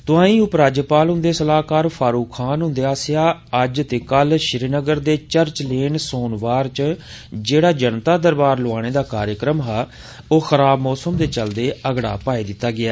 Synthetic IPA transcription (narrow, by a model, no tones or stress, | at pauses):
t̪ʊãːĩːʊpɾaːd͡ʒəpaːlɦʊ̃nd̪eːsəlaːkaːɾpʰaːɾuːkʰːaːnɦʊ̃nd̪eːaːsɪjaːəd͡ʒt̪eːkəlʃɪɾinəɡəɾd̪eːt͡ʃəɾt͡ʃleːɳsoːnʋaːɾt͡ʃ | d͡ʒeːɽaːd͡ʒənt̪aːd̪əɾbaːɾloaːɽ̃eːd̪aːkaːɾjəkɾəmɦaː | oːxəɾaːbmɔːsəmd̪eːt͡ʃəld̪eːəɡɽa̰ːpaːiːd̪ɪt̪ːaːɡɪaː